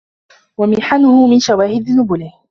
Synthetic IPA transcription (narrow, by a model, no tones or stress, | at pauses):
wamɪħanʊhʊmɪnʃawaːhɪd̪ɪnʊbʊlɪh